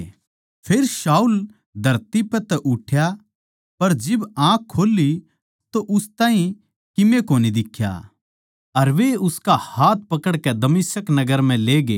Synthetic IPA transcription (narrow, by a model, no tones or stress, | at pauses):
pʰeːɾʃaːuːl | d̪ʱɐɾt̪ipɛt̪ɛʔʊʈʰja | pɐɾd͡ʒɪbãːkʰːoːlːi | t̪oʔʊst̪ãːɦĩ | kɪmẽkoːnid̪ɪkʰːja̰ | ɐɾʋeʊskahaːt̪̚ʰpɐkəɽkɛd̪ɐmɪsəknɐɡəɾm̤ɛ̃leːɡḛː